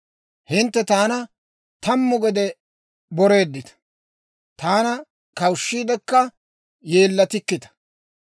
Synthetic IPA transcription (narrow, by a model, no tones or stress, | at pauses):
hɪnt̪ːɛt̪aːnɐ | t̪ɐmːʊɡɔd̪ɛ | bɔɾe̞ːd̪ːɪt̪ɐ̥ | t̪aːnɐ | kɐwʃːiːd̪ɛkːɐ | jeːlːɐt̪ɪkːɪt̪ɐ̥